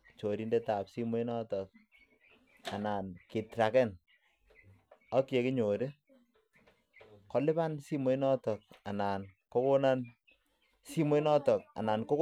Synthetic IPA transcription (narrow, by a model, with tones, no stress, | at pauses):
t͡ʃo˨ɾi˦nde˦ta˨psi˦mo˦i˦nɔ˦tɔ˨k̚ | a˨na˨nke˨tɾa˨kɛ˦n | ɔ˦kje˨kɪ˦ɲo˨ɾe˦ | kɔ˨˦lɪ˦pa˦nsi˦mo˨˦i˦nɔ˦tɔ˨k̚a˨na˨nkɔ˦ko˦na˦n | si˦mo˦i˦nɔ˦tɔ˨k̚a̰˨na˨nko˦k